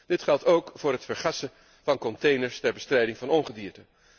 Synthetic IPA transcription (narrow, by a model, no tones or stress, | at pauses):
d̥ɪtχɛlˠtowkfʊːɹɦətfəɹχɑsə | v̥ɑnkɔntejnəɹstɛɹbəstrɛjdɪŋvɑnɔnχədiːɹtə